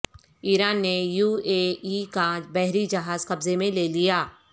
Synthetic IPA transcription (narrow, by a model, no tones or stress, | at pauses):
iːɾaːnːejuːeːikad͡ʒbɛɦɾid͡ʒɐɦaːzkɐbzemẽleːlijaː